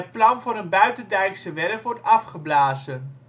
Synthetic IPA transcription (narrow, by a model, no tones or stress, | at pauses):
ət̚plɑnvʊɾənbœɥtəndɛɥksəʋɛrkʋɔɹrtɑfχəblaːzən